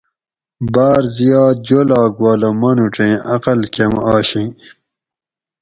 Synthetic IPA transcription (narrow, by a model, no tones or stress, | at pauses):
baːɾzijɑːd̪̚d͡ʑolaːɡwaːlɐmɐnuʈ͡ʂẽɐqɐlkemaːɕĩ